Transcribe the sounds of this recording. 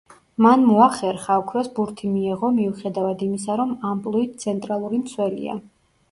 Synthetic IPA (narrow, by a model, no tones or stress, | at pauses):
manmɔaχɛɾχaɔkʰɾɛsbuɾt̪ʰimiɛʁɔmiuχɛd̪avad̪imis̬aɾɔmampʼlˠuit̪̚ʰt̪sʰɛnt̪ʼɾalˠuɾimt̪sʰwɛlḭa̰